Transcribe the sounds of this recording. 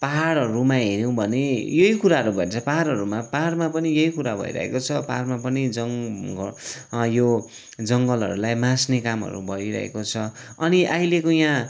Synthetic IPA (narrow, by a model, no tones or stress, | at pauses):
paɦaɽʌɾumaɦeɾjow̃bʱʌnejʌɦikuɾaɦʌɾubʱʌet͡sʰʌpaɦaɾʌɾumaparmapʌnijʌikuɾabʱʌ̰ḭɾʌ̰ɦḛkot͡sʰʌparmapʌnid͡zʌŋɡʌjo | d͡zʌŋɡʌlɦʌ̰ɾulajmãsnekamɦʌ̰ɾṵbʱʌɾiɾʌ̰ɦḛkot͡sʰʌ | ʌniʔailekojã